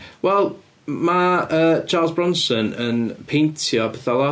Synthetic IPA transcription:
wɛlˠ | maəːt͡ʃʰaːlˠzbɹɔnsənənpʰentʰjɔbɛθɔlˠɔ

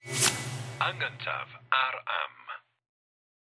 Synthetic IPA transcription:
aŋɡəntʰa̰vaɾa̰m

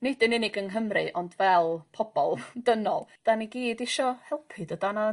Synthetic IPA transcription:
nɪd̥ɪnɪnɪɡənɦəmrɨ̰ʔɔndvɛlˠpʰɔb̥ɔlˠd̥ənɔlˠd̥aniɡiːdɪʃɔhɛlˠpʰɨdədana

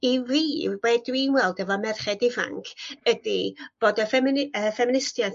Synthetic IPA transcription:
iviːwedwinwɛlˠdɛvɔmɛrχɛdɪva̰ŋkʰədib̥oːdəfɛmɪnəfɛmɪnɪstjan

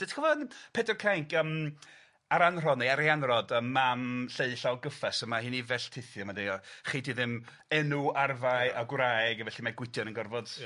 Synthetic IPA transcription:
d̥ətʰkɔvɔnpʰeːdərkʰraŋkəm | aɾanr̥ɔneaɾianrɔdəmːamɬeɨɬawɡəfɛsəmahɨːnivɛɬtʰɪθjɔmadeɔχidiðɪm | ɛnuarvaɨaɡwrajɡvɛɬimaɡwɪdjɔnənɡɔrvɔd̥

